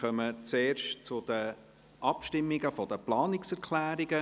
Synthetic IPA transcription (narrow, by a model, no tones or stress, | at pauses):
œmət͡seːɾʃtt͡sʊd̥̪ə | ʔɑpʃtɪmːiɡəfɔd̥̪əplɑːnɪksɛɾkʰlæːɾiɡə